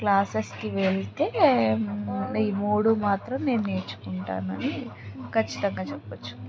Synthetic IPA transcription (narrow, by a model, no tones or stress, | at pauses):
klaːsɐstiʋeɭt̪e̞ː | iːmoːɽumaːt̪ɾɐmne̞ːnune̞ːt͡ʃːu̥kuɳʈa̰ːnuɐnikʰɐt͡ʃːi̥t̪ɐŋɡaːt͡ʃɛpːɐt͡ʃːu̥